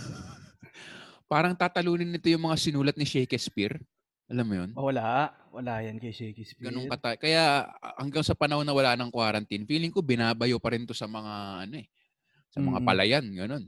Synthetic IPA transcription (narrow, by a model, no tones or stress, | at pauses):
paːɾɐŋt̪aːt̪ɐluːnɪnːɪt̪o̞jʊŋmɐŋasɪnuːlɐt̪̚nɪʃɛjkɛspiɾ | ʔɐlamːʊjonwɐlaʔ | wɐlajankɐjʃɛjkɛspɡɐnoŋkɐt̪ɐkɐjahɐ̰ŋɡaŋsɐpɐnɐhonːɐwɐlaːnɐŋkwaːɾɐnt̪infiːlɪŋko̞bɪnaːbɐjopɐɾɪnt̪o̞sɐmɐŋaʔɐno̞ɛ | sɐmɐŋa̰pɐlɐjanɡɐno̞n